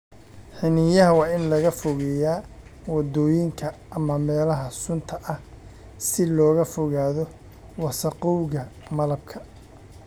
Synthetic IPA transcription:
ħɪnɪjɐɦɐwɑːɪnlɐɣɐfɔɣɛjaːwɑd̪ɔːjɪŋkʰɐ | ɐmɐmɛːlɐɦɐsʊnt̪ʰɐʔɐh | sɪlɔːɣɐfɔɣaːðɔ | wɑsɐqɔwɣɐmɐlɐb̚kʰɐ

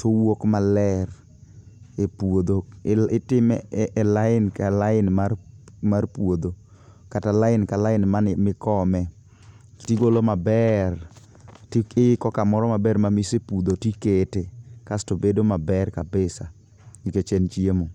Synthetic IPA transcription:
tʰowokmalɛr | epwod̪oɪtɪmʔɛlaɪnkalaɪnmarmarpwod̪o | katalaɪnkalaɪnmanmɪkɔmɛ | tiɡolomabɛr | ɪkɔkamɔɾɔmabɛrmamisepud̪otiketekastobedomabɛrkabɪsa | iket͡ʃɛnt͡ʃiemo

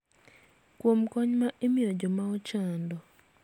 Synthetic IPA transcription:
kwomkɔɲmaʔemɪjod͡ʒɔmaɔt͡ʃandɔ

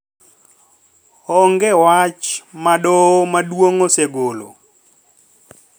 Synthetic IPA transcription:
ɔŋɡɛwat͡ʃmaɗɔmadwoŋoseɡolo̰

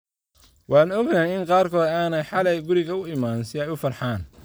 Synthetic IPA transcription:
wɑːnɔɡnajɪŋqɑːrkʰɔːd̪aːnɛjħɑlɐjɡʊɾɪɣɐʊɪmaːnsɪɛjʊfɐrħaːn

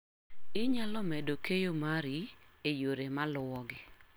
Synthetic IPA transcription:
ɪɲalɔmedokejomaɾiejoɾemalʊwɔɡɪ

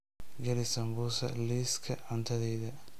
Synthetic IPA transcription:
ɡɐɾɪsɐmbusɐliːskʰɐʕɐnt̪ʰɐðɛjðɐ

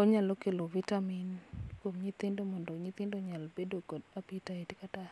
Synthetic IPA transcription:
ɔɲalokelovitaminkwomɲit̪ɪndomɔndɔɲɪt̪ɪndoɲalbedokɔdapitaetikata

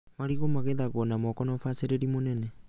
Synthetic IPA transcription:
maɾiɡomaɡedaɡonamokonofaseɾeɾimonene

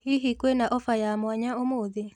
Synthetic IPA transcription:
hiɦikwenaʔɔfajamwaɲaomoðe

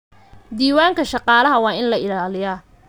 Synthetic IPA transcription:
d̪iːwaːŋkʰɐʃɑqɑːlɐɦɐwɑːɪnlɐɪlaːlɪjaː

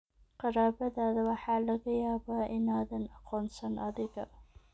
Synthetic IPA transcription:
qɑɾaːbɐðaːðɐwɑħaːlɐɡɐjaːbaʔɪnaːðɐnɐqʰɔːnsɐnʔɐðɪɡɐ

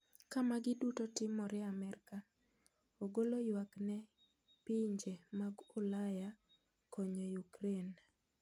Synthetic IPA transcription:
kamaɡɪdutotɪmɔɾɛamɛrka | oɡolojwaknɛ | piɲd͡ʒemaɡʊlaja | kʰoɲojukɾen

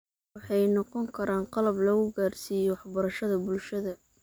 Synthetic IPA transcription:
wɑħɑjnɔqɔŋkʰɐɾaːnqɑlɐblɔːɣʊɡaːrsiːjɔwɑħbɐɾɐʃɐðɐbʊlʃɐðɐ

